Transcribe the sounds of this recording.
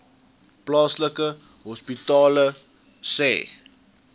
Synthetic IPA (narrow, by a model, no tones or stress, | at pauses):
plɑːsləkə | ɦɔspitɑːlə | sɛ̰ː